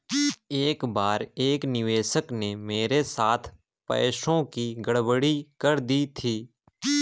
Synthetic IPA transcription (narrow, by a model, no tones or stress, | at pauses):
eːkbaːɾeːknɪʋeːʃəknemeːɾesaːt̪ʰ | pɛ̰ːʃõkiɡəɽbəɽikəɾd̪it̪ʰiː